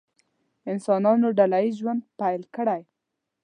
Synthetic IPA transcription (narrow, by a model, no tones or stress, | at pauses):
ɪnsɑnɑnoɖalaiʒwand̪̚pajlkəɽaj